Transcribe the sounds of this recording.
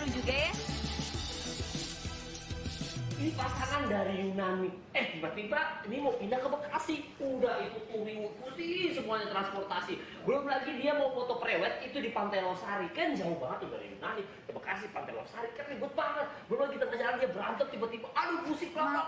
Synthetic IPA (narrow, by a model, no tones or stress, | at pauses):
ud͡ʒuɡaja | inipat̪aŋandaɾijunanɪk̚ | ɛhdipat̪̚ibainimawpindakəbakasɪhudahik̪ut̪uɾiwʊt̪̚must̪isəmuaɲat̪ɾanspɔrt̪asi | bəlobəlaɡidiamawfɔt̪ɔpɾewɛt̪̚it̪udipant̪ajlosaɾikajand͡ʒawʊbaŋət̪uda̰ɾḭjṵnanɪkkəbaka̰sɪhpant̪ajlo̰saɾikaibʊt̪̚baŋət̪̚bəlolaɡit̪əŋəd͡ʒalandiabəɾant̪əm̚t̪ipət̪imuʔadomusɪk̚la